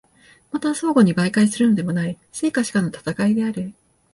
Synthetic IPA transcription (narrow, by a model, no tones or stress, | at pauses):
mat̪aso̞ːɡo̞ɲ̟ibaikaisɨɾɯ̟no̞d̪e̞mo̞nai | se̞ːkaɕi̥kanot̪ḁt̪akaid̪e̞aɾɯ̟